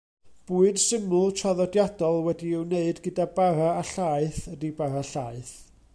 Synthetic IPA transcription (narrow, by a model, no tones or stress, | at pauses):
b̥uɨd̥sɪmʊlˠtʰraðɔdjadɔlˠwɛdiɪwneɨdɡədabaɾaːɬaɨθədibaɾaɬaɨθ